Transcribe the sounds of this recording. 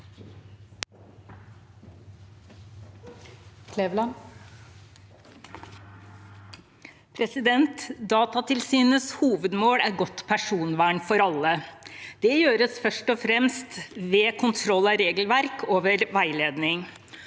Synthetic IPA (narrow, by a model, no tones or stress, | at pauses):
kʰleʋlɑ | pʰɾɛsɪd̪ɛnt̪d̪ɑːt̪ɑt̪ʰɪlsyːnəshuːʋəd̪moːɽæːɾɡɔt̪pʰæʂuːnʋæːɳfɔɾɑləd̪̥ɛjøːɾəsfœʂʈɔfɾɛmst̪ʋeːkʰʊnt̪ʰɾɔlːɑɾeːɡəlʋæɾkʰoːʋəɾʋæɪleːd̪nɪŋ